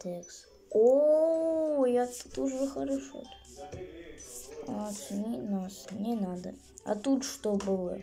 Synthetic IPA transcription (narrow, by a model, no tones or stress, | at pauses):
t̪eks | o | jat̪ət̪uʐəxəɾɐʂo̰d̪ | asnʲɪnasnʲɪnad̪ə | ɐ̰t̪ut̪ʂt̪obɨlˠə̰